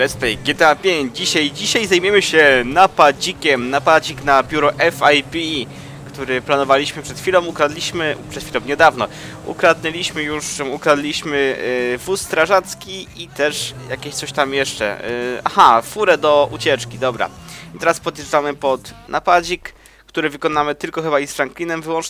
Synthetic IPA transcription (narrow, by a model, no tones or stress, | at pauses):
ɾɛspɛɡʲɛt̪ɛapʲjeɲd͡ʑd͡ʑiɕajd͡ʑiɕajzajmjɛmɘɕɛnapad͡ʑikʲɛmnapad͡ʑiknabʲjuɾɔʔɛfajpʲi | kt̪uɾɘplanɔvalʲiɕmɘpʂɛt̪xʲfʲilɔ̃w̃ukɾad̪lʲiɕmɘpʂɛt̪fʲilɔ̃mɲɛd̪avnɔ | ṵkɾad̪nɛlʲiɕmɘjuʂukɾad̪lʲiɕmɘvust̪ɾaʐat̪skʲiit̪ɛʂjakʲeɕt̪sɔɕt̪amjɛʂt͡ʂɛ̰a̰xafuɾɛd̪ɔʔṵt͡ɕɛt͡ʂkʲid̪ɔbɾa̰it̪ɛɾaspɔd̪ʲeʐamɘpɔt̪nʔapad͡ʑik | kt̪uɾɘvɘkɔnamɘt̪ɘlkɔxɘbaisfɾaŋklʲinɛmvɘwɔ̃nt͡ʂ